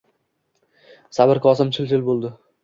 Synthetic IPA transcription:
sabɪɾkʰɒsɪmt͡ʃʰɪlt͡ʃ̪ʰɪlbolˠd̪ɪ

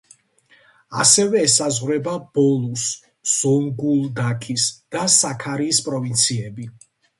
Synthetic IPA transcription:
a̰sɛvɛːsazʁwɾɛbab̥ɔlˠus | z̥ɔŋɡulˠd̪akʰisd̪̥asakʰaɾiːspʼɾɔvint̪sʰiɛbi

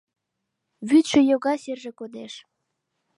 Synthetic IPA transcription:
βyt̪ʃø̆joɣɑserʒekod̪eʃ

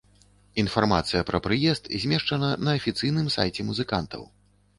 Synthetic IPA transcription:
in̪farmat̪sɨjɐpɾɐpɾɨjɛst̪zʲmʲɛʂt͡ʂɐnɐnɐːfʲit̪sɨjnɨmsa̰jt͡sʲɛmuzɨkant̪ɐ̰w

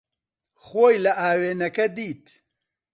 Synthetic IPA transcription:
xoːjlɐʔaːweːnɐkɐd̪iːt̪

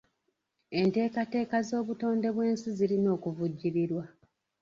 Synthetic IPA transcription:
e̞nte̞ːkate̞ːkazo̞ːβuto̞ːnde̞βwe̞ːnsizilino̞ːkuvuɟːiɾiɾwa

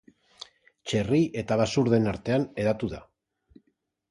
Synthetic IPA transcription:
t͡ʃe̞riʔe̞t̪aβasuɾðe̞naɾt̪e̞ane̞ðat̪uða

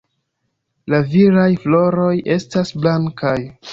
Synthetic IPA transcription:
laviɾajflo̞ɾo̞jʔe̞stasblaŋkaj

